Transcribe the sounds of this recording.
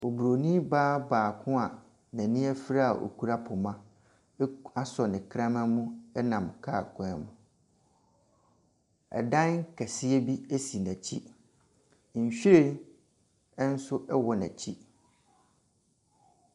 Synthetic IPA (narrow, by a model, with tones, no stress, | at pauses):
o˨bɾo˨nĩ˦baː˦baː˨kʰʊ̃˦a˨ | næ̃˨nĩ˦æ˦fi˦ɾa˦a˨ʔo̰˨kʰu˦ɾa˦pʰʊ˨mã˦ | a˦sɔ˨nɪ̃˨kʰɾã˦mã˦mʊ̃˦ɛ˦nã˨mkʰa˦˨kʰɔ̃˦˨mʊ̃˨ | ɛ̰˨dã˦n˦kʰɛ˨sɪ˦ɛ˦bi˦æ˦si˨næ̃˨t͡ɕʰi˦˨ | n̩˨ɕᶣe˦ | ɛ˦n̩˦sʊ˦ʔɛ˦wɔ˨næ̰̃˨t͡ɕʰi˦